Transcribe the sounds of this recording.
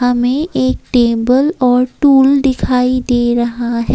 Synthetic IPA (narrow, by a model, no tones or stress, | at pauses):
ɐmẽʔeːk̚ʈeːbəlɔːɾʈuːlɖ̪ɪkʰaːid̪eːɾɐɦaɦɛ